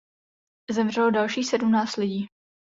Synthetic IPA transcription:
zɛmr̝ɛlodalʃiːsɛdumnaːt͡st̪lɪɟiː

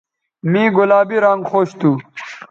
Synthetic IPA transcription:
mĩːɡulaːbiɾaŋɡxoːɕt̪u

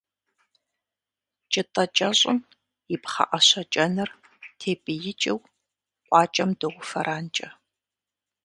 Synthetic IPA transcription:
t͡ʃʼɪtʼɐt͡ʃʼɐɕʼɪ̰m | jɪpχɐ̰ʔɐɕɐt͡ʃʼɐnɨr | tʰeːpʼɨjɪt͡ʃʼɪw | qʷʼɑːt͡ʃʼɐmdɨʁʷʊfɐ̰ɾʔaːnt͡ʃʼɐ

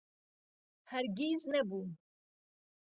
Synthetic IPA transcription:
hæɾɡiznɛbu

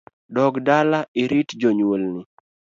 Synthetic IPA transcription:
dɔɡdalaʔɪɾitd͡ʒoɲwolnɪ

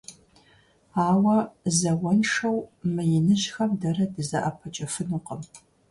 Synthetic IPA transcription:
aːwɐzɐwɔnʂɐwmɨjɪnɨɕxɐmdɐɾɐdɨzɐʔɐpʰɐt͡ʃʼɐfɨnuːqəm

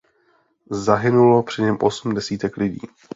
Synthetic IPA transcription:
zaɦɪnulo̞pr̝̥ɪɲɛmʔo̞sm̩dɛsiːt̪ɛklɪɟḭː

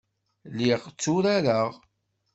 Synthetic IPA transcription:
liʁt͡sːʊɾaɾəʁ

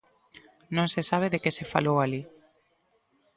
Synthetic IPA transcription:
nõŋsesaβ̞eðekesefa̰lowali

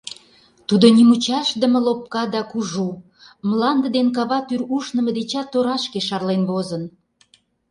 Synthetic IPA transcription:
t̪ud̪onʲimut͡ɕɑʃd̪əmə̆lop̚kɑd̪ɑkuʒu | mlɑnd̪ə̆d̪enk̬ɑβɑt̪yɾuʃnə̆mə̆d̪et͡ɕɑt̪ːoɾɑʃkeʃɑrlenβozən

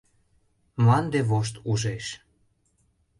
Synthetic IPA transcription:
mɑnd̪eβoʃ̬t̪uʒeʃ

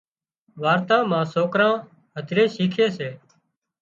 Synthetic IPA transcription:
ʋaːɾt̪ãːmãːsoːkɾãː | ɦəd̪ʱɾẽːsiːkʰeːseː

